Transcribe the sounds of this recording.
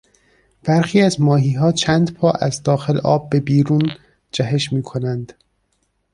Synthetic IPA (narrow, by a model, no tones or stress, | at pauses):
b̥æɾxiːæzmɒːɦiːɦɒːt͡ʃʰænd̪pʰɒːʔæzd̪ɒːxe̞lʔɒ̰ːb̚ːe̞biːɾuːn | d͡ʒæɦe̞ʃmiːkʰo̞nænd̪̥